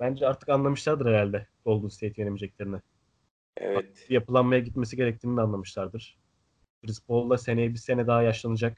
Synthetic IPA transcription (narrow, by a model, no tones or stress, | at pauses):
b̥ænd͡ʒɛaɾt̪ʰɯ̥kanlˠamɯʃlˠaɾd̪ɯɾɛɾalʲd̪ɛbo̞lˠd̪unst̪ejt̪ijenemid͡ʒɛc̚lʲeɾinɛ | ɛ̰v | bijapɯlˠanmajaɟit̪me̞siɟe̞ɾɛc̚t̪ʰiːnid̪anlˠamɯʃlˠaɾd̪ɯɾ̥ | bɾisbo̞lˠːase̞nejibise̞nɛd̪aɦajaʃlˠanɯd͡ʒak